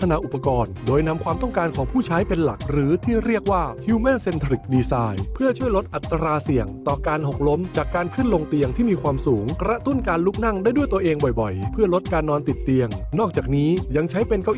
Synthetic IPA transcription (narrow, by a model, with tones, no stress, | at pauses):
t̪ʰa˧na˧˥ʔu˨˩pːa˧kɔː˧ndoː˧jna˧mkʰwaː˧mt̪ɔ˥˩ŋkaː˧nkʰɔː˩˦ŋpʰuː˥˩t͡ɕʰa˦˥jpe˧nla˨˩k̚ɾɯː˩˦t̪ʰiː˥˩ɾi˥˩ək̚waː˥˩hʰiː˧˦mɛ˥˩nse˧nt̪ʰɾi˨˩k̚diː˧saː˧jpʰɯ˥˩ɐt͡ɕʰu˥˩əjlo˦˥t̪ʔa˨˩t̪ːa˧ɾaː˧si˨˩əŋt̪ɔː˨˩kaː˧nho˨˩k̚lo˦˥mt͡ɕaː˨˩kːaː˧nkʰɯ˥˩˨nlo˧ŋt̪i˧əŋt̪ʰiː˥˩miː˧kʰwaː˧msuː˩˦ŋkɾa˦˥t̪u˥˩nkaː˧nluː˥˩k̚na˥˩ŋdaː˥˩jdu˥˩jt̪u˧əʔeː˧ŋbɔ˨˩jbɔ˨˩jpʰɯ˥˩ɐlo˦˥t̪̚kaː˧nːɔː˧nt̪i˨˩t̪ːi˧əŋnɔː˥˩k̚t͡ɕaː˨˩k̚niː˦˥ja˧ŋt͡ɕʰa˦˥jpe˧nkɔ˥˩